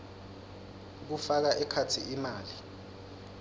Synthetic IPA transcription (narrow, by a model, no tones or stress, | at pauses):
k̬ufak̬aʔɛkʰatʰiʔimaːli